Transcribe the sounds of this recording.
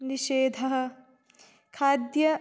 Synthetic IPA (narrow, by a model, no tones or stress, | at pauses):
niʃeːd̪ʱɐɦɐ̆ | kʰaːd̪jɐ